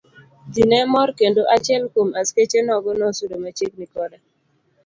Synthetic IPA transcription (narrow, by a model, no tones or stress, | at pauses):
dinɛmɔɾkendoʔat͡ʃɛlkomasket͡ʃenɔɡɔnɔsuɾomat͡ʃeknikɔda